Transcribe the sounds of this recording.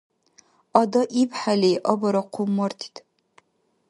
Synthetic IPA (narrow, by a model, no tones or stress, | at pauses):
ɐdɐʔipħalejʔɐbɐɾɐqʷʰʊmːɐrt̪ʰi̥tʰ